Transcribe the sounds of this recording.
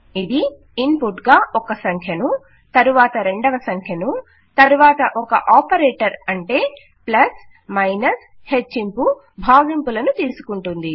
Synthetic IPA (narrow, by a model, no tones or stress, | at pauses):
id̪i | impuʈɡaːʔɔkɐsɐŋkʰjɐnu | t̪ɐɾuʋaːt̪ɐɾe̞ɳɖɐʋɐsɐŋkʰjɐnu | t̪ɐɾuʋaːt̪ɐʔɔkɐʔaːpɐɾeːʈɐɾɐɳʈe̞ː | plɐs | mɐjnɐs | het͡ʃːimpu | bʱaːɡimpulɐnut̪iːsu̥kuɳʈund̪i